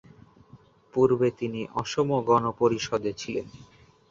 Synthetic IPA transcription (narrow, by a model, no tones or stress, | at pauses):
puɾbet̪iniʔɔʃomoɡɔnopoɾiʃɔd̪et͡ɕʰilḛn